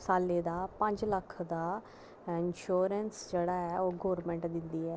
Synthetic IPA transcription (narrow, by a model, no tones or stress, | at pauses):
saːleːd̪aːpə̃ɲd͡ʒləkʰd̪aː | ɪnʃuːɾɛnsd͡ʒeːɽaːɛːoːɡoːɾmɛ̃ːɳʈd̪ɪnd̪iːɛː